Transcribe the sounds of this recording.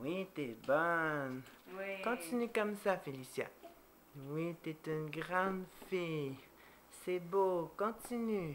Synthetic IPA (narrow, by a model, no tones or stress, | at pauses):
wit̪ɛbɔn | kɔ̃t̪inykɔmsafelisja̰ | wit̪ɛt̪ynɡʁɑ̃d̪fe | sɛbokɔ̃t̪iny